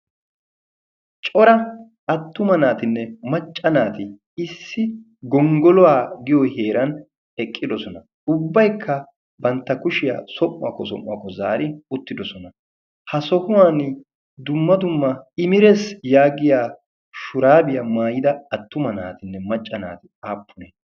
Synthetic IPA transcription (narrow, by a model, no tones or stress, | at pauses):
t͡ʃʼɔɾɐ | ɐt̪ːʊmɐnaːt̪ɪnːɛmɐt͡ʃʼːɐnaːt̪ɪ | ɪsːɪ | ɡɔŋɡɔlɔwaːɡɪjɔheːɾɐn | ɛkʼːɪd̪ɔsɔnɐ | ʊbːɐjkʰːɐ | bɐnt̪ːɐkʊʃɪja̰ːsɔmːɐ̰kːɔsɔ̰mːɐkːɔzaːɾɪʊt̪ːɪd̪ɔsɔnɐ | hɐsɔhʊwaːnɪ | d̪ʊmːɐd̪ʊmːɐɪmɪɾɛsjaːɡɪjaː | ʃʊɾaːbɪjɐmaːjɪd̪ɐɐt̪ːʊmɐna̰ːt̪ɪnːɛmɐt͡ʃʼːɐna̰ːt̪ɪaːpːʊneː